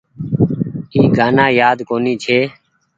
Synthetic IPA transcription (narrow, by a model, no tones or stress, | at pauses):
iːɡʱaːnãːjaːd̪koːniːt͡ʃʰeː